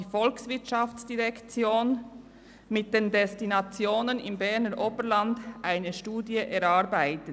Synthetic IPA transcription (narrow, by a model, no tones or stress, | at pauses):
ifɔlksvɪɐtt͡ʃɑftt͡sd̥iʁɛkt͡sjoːn | mɪt̚d̥endɛstinat͡sjoːnənɪmbɛʁnəɾʔoːbəlandʔaɪnəʃtuːdjəʔɛɾɑɾbaɪtə